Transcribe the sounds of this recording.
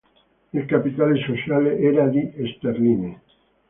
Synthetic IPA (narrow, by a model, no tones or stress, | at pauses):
ilkapit̪alesosjaleʔɛɾad̪iʔest̪erline